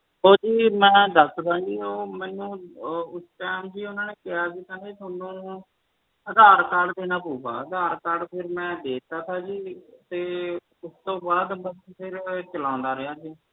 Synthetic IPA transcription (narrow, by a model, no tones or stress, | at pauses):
ɦoːd͡ʒiːmɛ̃ːd̪əsd̪ãːd͡ʒiːoːmɛ̃ːnũːʊsʈɛːmd͡ʒiːʊnãːneːkɪjaːsiːt̪ʰaːnet̪ʰoːnːũː | əd̪aːɾkaɖd̪eːnãːpuːba̰ːəd̪aːɾkəɽpʰɪɾmɛ̃ːd̪eːt̪aːt̪ʰaːd͡ʒiːt̪eː | ʊst̪õːbaːd̪bəspʰɪɾt͡ʃəlãːnd̪aːɾɪɦaːd͡ʒiː